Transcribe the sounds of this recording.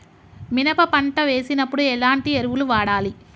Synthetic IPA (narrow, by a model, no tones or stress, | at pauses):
minɐpɐpɐɳʈɐʋe̞ːsinɐpːuɽuɛlaːɳʈieɾuʋuluʋaːɽaːli